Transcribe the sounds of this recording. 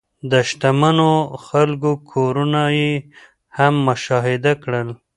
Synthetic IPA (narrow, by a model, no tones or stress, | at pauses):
d̪əʃʈamanoxalkokʰoɾunaje | hamːʊʃɑɦɪd̪akɽəl